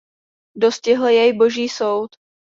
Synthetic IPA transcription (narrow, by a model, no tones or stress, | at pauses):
do̞scɪɦl̩jɛjbo̞ʒiːso̞wt̪